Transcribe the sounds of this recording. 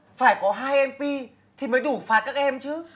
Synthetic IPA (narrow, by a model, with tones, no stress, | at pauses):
faː˧˩jkɔ˨˦ɦaː˧jʔɛ˧mpi˧ | t̪ʰi˨˩məː˨˦jɗu˧˩faː˨˦kaː˦˥k̚ʔɛ˧mt͡ɕɨ˨˦